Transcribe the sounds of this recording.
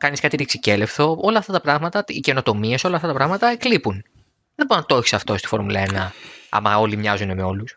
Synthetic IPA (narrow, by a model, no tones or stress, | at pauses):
kɐniskɐt̪it̪iksi̥ce̞le̞fθo̞o̞lɐːft̪ɐt̪ɐpɾɐɣmɐt̪ɐice̞no̞t̪o̞mie̞so̞lɐːft̪ɐt̪ɐpɾɐɣmɐt̪ɐeklipun | ðebo̞ɾonɐt̪ooçisɐft̪o̞st̪i̥fo̞ɾmulɐ̰enɐɐ̰mɐo̞limɲɐzune̞me̞o̞lus